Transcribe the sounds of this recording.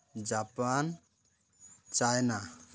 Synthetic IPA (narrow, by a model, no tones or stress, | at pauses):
d͡ʒapan | t͡ʃajna